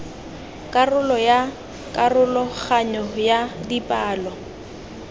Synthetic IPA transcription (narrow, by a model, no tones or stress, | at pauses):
kʼarʊlɔja | kʼarʊlɔχaɲɔjadipʼaːlɔ